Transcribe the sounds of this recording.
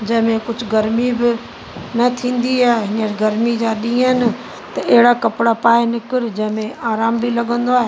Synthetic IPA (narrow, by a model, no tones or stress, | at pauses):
d͡ʑɐ̃ɦɪ̃mẽkʊd͡ʑʱʊɡɐɾmibɪ | nɐt̪ʰĩːn̆d̪iaːɦeɦɪ̃nəɾɡɐɾmid͡ʑaːɗĩːənɪ̆ | t̪ɐʔeɦɪɽakɐpɪɽapaːenɪkɪɾd͡ʑɐ̃ɦɪ̃mẽʔaːɾaːmbilɐɠə̃nd̪oaːɦe